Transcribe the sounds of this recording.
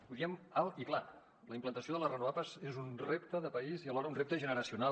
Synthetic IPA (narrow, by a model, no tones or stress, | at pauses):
buðiəmalˠikla | ləimplənt̪əsioðələrənuβapəzezunrept̪əðəpəiziəlɔɾəunrep̚t̪əʒənəɾəsiuna